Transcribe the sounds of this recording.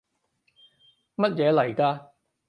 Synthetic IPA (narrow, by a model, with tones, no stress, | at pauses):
mɐ˥t̚jɛː˨˧lɐ˨˩jkaː˧